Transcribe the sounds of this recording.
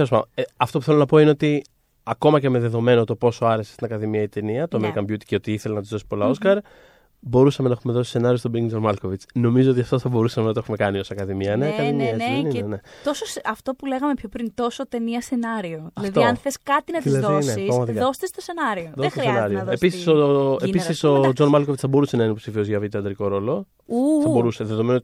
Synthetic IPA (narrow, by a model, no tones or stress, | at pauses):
eospɐeɐft̪o̞pu̥θe̞lonɐpo̞ine̞o̞t̪i | ɐko̞mɐce̞me̞ðe̞ðo̞me̞not̪o̞po̞soɐɾe̞sest̪inɐkɐðimiɐit̪e̞niɐt̪oɐmeɾikɐmbjut̪i̥ceo̞t̪iiθelenɐt̪izðo̞si̥po̞lɐo̞skɐɾ | bo̞ɾusɐme̞nɐe̞xumeðo̞si̥se̞nɐɾio̞st̪obɾiŋst̪omɐlko̞vit͡sno̞mizo̞ot̪iɐft̪oθɐbo̞ɾusɐmenɐt̪oexume̞kɐnio̞sɐkɐðimiɐneɐkɐðimiɐenieenet̪o̞sosɐft̪o̞pule̞ɣɐme̞pço̞pɾint̪o̞sot̪e̞niɐsenɐɾioðiɐlɐfðt̪oɐnθeskɐt̪inɐt̪ilzɐðoisneiɾɐɣmɐt̪ikðo̞st̪est̪ose̞nɐɾioðot̪isenɐɾioðepisi̥soepisiso̞d͡zo̞nmɐlko̞vit͡sθɐbo̞ɾuse̞nɐinpopsifiozʝɐvit̪eɐnd̪ɾiko̞ɾo̞lo̞ | uθɐɐbo̞ɾuse̞ðe̞ðo̞me̞no